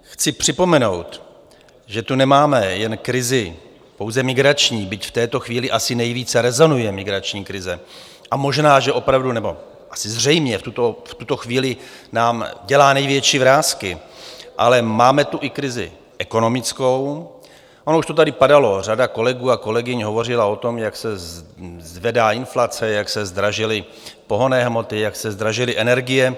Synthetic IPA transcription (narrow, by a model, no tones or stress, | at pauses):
xt͡sɪpr̝̥ɪpo̞mɛno̞wt̪ | ʒɛt̪unɛmaːmɛjɛnkɾɪzɪ | po̞wzɛmɪɡɾat͡ʃɲiːbɪcft̪ɛːt̪o̞xviːlɪʔasɪnɛjviːt͡sɛɾɛzo̞nujɛmɪɡɾat͡ʃɲiːkɾɪzɛ | ʔamo̞ʒnaːʒɛʔo̞pɾavdunɛbo̞ | ʔasɪzr̝ɛjmɲɛft̪ut̪oft̪ut̪o̞xviːlɪnaːmɟɛlaːnɛjvjɛt͡ʃiːvɾaːskɪʔalɛmaːmɛt̪uʔɪkɾɪzɪ̰ | ʔɛko̞no̞mɪt͡sko̞w | ʔonouʃt̪ot̪adɪpadalo̞r̝adako̞lɛɡuːako̞lɛɡɪɲɦo̞vo̞r̝ɪlao̞t̪o̞mjaksɛ | zvɛdaːɪnflat͡sɛjaksɛzd̪ɾaʒɪlɪ | po̞ɦo̞nɛːɦmo̞t̪ɪjaksɛzd̪ɾaʒɪlɪʔɛnɛɾɡɪjɛ